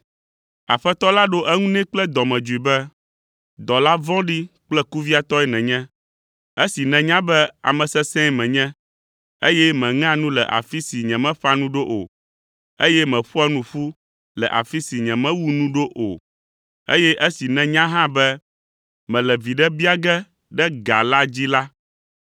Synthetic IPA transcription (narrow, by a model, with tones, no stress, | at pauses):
a̰˨ɸɛ˦t̪ɔ˦la˦ɖo˦ʔɛ˦ŋũ˦nɛ̃˦k͡plɛ˦d̪ɔ˨mɛ̃˨d͡ʒu˨i˨bɛ˦ | d̪ɔ˨la˦vɔ̃˦ɖi˦k͡plɛ˦ku˦vi˦a˨t̪ɔ˦ɛ˦nɛ̃˨ɲɛ̃˦ | e˦si˨nɛ̃˨ɲã˦bɛ˦a̰˨mɛ̃˨sɛ˦sɛ̃˦mɛ̃˨ɲɛ̃˦ | ḛ˦jɛ˦mɛ̃˨ŋã˦nũ˦lɛ̰˨ʔa̰˨fi˦si˨ɲɛ̃˨mɛ̃˦ɸa˦nũ˦ɖo˦ʔo̰˨ | e˦jɛ˦mɛ̃˨ɸu˦a˦nũ˦ɸu˦ | lɛ̰˨ʔa̰˨fi˦si˨ɲɛ̃˨mɛ̃˦wu˦nũ˦ɖo˦ʔo̰˨ | ḛ˦jɛ˦ʔe˦si˨nɛ̃˨ɲã˦ɦã˦bɛ˦ | mɛ̃˨lɛ˨vi˨ɖɛ˦bi˦a˦˨ɡɛ˦ | ɖɛ˦ɡa̰˨la˦d͡ʑi˦la˦